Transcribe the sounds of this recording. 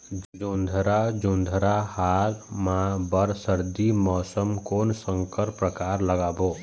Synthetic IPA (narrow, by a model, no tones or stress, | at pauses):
d͡ʒd͡ʒõnd̪ʱɾad͡ʒõnd̪ʱɾahaːɾmãbəɾsəɾd̪imɔːsəmkoːnsə̃ŋkəɾpɾəkaːɾləɡaːboː